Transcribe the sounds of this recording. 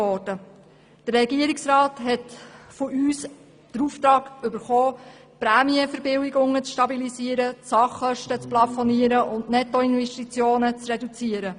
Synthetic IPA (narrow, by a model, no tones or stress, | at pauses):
ɔːd̥ə | d̥əɾɛɡiəɾiksrɑːtɦɛtfʊʔyːs | d̥əɾuːft̪ɾɑːɡʏbəɾχoː | pɾæːmiəfəɾbɪwiɡʊŋːət͡sʃtɑbilisiəɾəsɑχːœʃtət͡splɑfɔniəɾəʔʊndnɛtɔɪnvɛʃtit͡sjoːnət͡srɛdut͡siəɾə